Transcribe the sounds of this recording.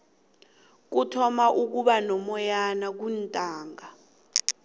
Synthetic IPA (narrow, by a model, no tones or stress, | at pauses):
k̬utʰɔmaʔuk̬uɓanɔmɔjanak̬untʼaːŋa